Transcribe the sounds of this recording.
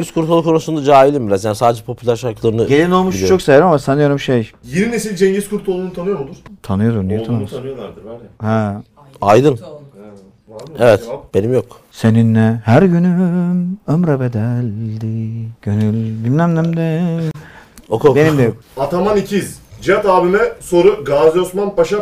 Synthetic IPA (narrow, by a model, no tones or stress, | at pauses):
d͡ʒeɲɟiskʰuɾt̪ʰolˠukʰo̞nusund̪ad͡ʒaːilʲimbiɾazjansaːd̪ed͡ʒɛpʰo̞pʰylʲæɾʃaɾklˠaɾɯnɯɟelʲino̞lˠmuʃilijt͡ʃʰo̞ksejɾimamasʰanɯjo̞ɾumʃejjeɾinesilʲd͡ʒeɲd͡ʒiskʰuɾt̪ʰolˠunut̪ʰanɯjoɾod̪uɾ̥t̪ʰanɯjoɾuɾnijɛt̪ʰanamasɯ | hɛ | ajd̪ɯn | evɛt̪b̥enimjokse̞ninːɛhæɾɟyny | ømɾabed̪ælʲd̪ɪɟ̥ønylʲbilʲmæmnæmd̪ɛ | okobe̞niimd̪ɛjkat̪ʰamanicʰizd͡ʒiat̪aːbimɛso̞ɾuɡazo̞smanpʰaʃa